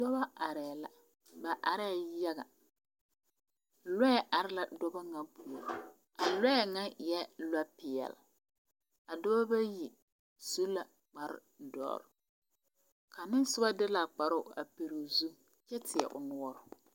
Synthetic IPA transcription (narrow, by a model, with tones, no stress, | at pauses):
dɔ˦ba˦a˨ɾɛː˨la˨ | ba˨ʔa˨ɾɛ˦˨ja˦ɣa̰˨ | lɛ˦ɛ˦˨ʔa˨ɾɪ˦la˨dɔ˦ba˦ŋa˦bu˨o˨ɾ | a˨lɛ˦˨ŋa˦ɪ˨jɛ˦la˦pɪ˨ɛ̰˨l | a˨dɔ˦ba˦ba˦ji˨ | su˦la˨ | k͡pa˨ɾ | dɔ̰ː˦ɾ | ka˨nɪ˦n˦sʊ˦ba˦dɪ˦la˨k͡pa˨ɾʊ˦˨a̰˨pe˨ɾu˨zu˦ | t͡ʃɛ˦tʰɪ˨ɛ̰˨ʔʊ̰˨nʊ˨ɔ˦ɾʊ˨